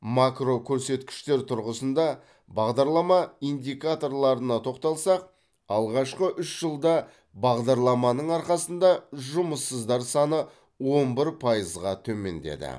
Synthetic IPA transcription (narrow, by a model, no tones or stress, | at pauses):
makro̞kʲʰɵɾse̞t̪kʲɪ̥ʃt̪e̞ɾt̪ʰʊɾʁəsənd̪ɑ | bɑʁd̪ɑɾlˠɑmɑind̪ijkat̪o̞rlˠɑɾənɑt̪ʰo̞qt̪ɑlˠsɑq̚ | ɑlˠʁɑʃqəʔʏʃʒ̥əlˠd̪ɑ | bɑʁd̪ɑɾlˠɑmɑnəɴɑɾqɑsənd̪ɑʒʊməsːəzd̪ɑɾsɑnə | wo̞nbɪɾpʰɑjəzʁɑt̪ʰɵme̞̰nd̪e̞̰d̪ɪ̰